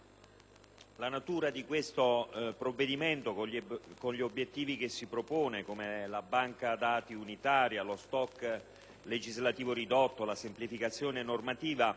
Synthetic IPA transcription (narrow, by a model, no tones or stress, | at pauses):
lanat̪uːɾad̪ikwest̪opɾovːed̪iment̪okonʎiobjet̪ːiːvikesːipɾopoːnekomelabaŋkad̪aːt̪iunit̪aːɾjalost̪ɔkː | led͡ʒizlat̪iːvoɾid̪ɔt̪ːolasemplifikat̪sːjoːnenormat̪iːva